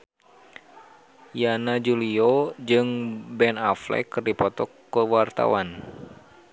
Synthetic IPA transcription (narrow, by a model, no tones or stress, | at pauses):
janad͡ʒuliod͡ʒɨŋbɛnaflɛ̰kɨrdipɔt̪ɔkːəwart̪a̰wan